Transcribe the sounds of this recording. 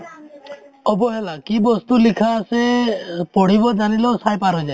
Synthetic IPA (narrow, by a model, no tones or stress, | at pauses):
ɔbɔɦelakibɔst̪ulikʰasepɔɽ̤ibɔd͡ʒanilɔsajpaɾɦɔd͡ʒa